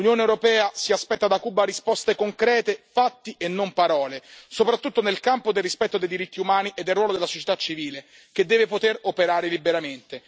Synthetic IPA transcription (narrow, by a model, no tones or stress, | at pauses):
lunjoːneewɾopɛːasiaspɛt̪ːad̪akuːbːaɾispɔst̪ekoŋkɾɛːt̪efat̪ːiʔenːompaɾɔːlesopɾat̪ːut̪ːonelkampod̪elrispɛt̪ːod̪ejd̪iɾit̪ːiumaːniʔed̪ːelrwɔːlod̪elasot͡ʃe̥t̪at͡ʃːiviːle | ked̪ːɛːvepot̪eropeɾaːɾelibeɾament̪e